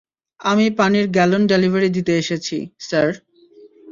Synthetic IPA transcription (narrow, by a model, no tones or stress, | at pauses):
amipaniɾɡɛlonɖelivʱaɾid̪it̪eeʃet͡ɕʰḭsaɾ